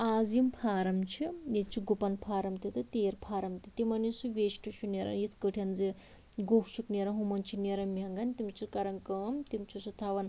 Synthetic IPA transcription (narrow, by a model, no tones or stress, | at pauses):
aːzimpʰaːɾɐmt͡ʃʰijet͡ʃʰiɡupɐnpʰaːɾɐmt̪it̪ɨt̪eːɾpʰaːɾɐmt̪it̪imɐnisuʋeːʃʈut͡ʃʰuneɾɐ̰njit̪ʰkəʈʰjɐnzi | ɡoːkʰt͡ʃʰukneɾɐɦumɐnt͡ʃʰineɾɐmiɦɐŋɡɐnʲt̪imt͡ʃʰikɐɾɐŋkɐːmt̪imt͡ʃʰusɐt̪ʰaːʋɐn